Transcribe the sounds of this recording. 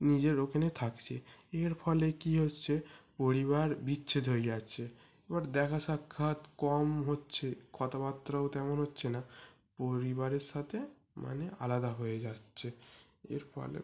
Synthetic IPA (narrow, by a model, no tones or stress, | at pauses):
nid͡ʑeɾokʰenet̪ʰakt͡ɕʰḛeɾpʰɔlekiɦotːt͡ɕʰepoɾiβaɾbitːɕʰed̪ʱoejatːt͡ɕʰe | ebaɾd̪ɛkʰaʃakʰːat̪kɔmɦotːɕʰekʰɔt̪apat̪ːɾaot̪ɛmonɦotːɕʰena | poɾiβaɾeɾʃat̪ʰe | ma̰nealad̪aɦoed͡ʑatːɕʰe | ḛɾpʰɔ̰lḛ